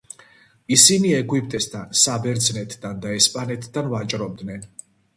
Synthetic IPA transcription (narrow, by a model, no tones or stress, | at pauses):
isiniɛɡwipʼt̪ʼɛst̪ʰansabɛɾd̪znɛt̪ʰd̪and̪aɛspʼanɛt̪ʰd̪anvat͡ʃʼɾɔb̚d̪nɛn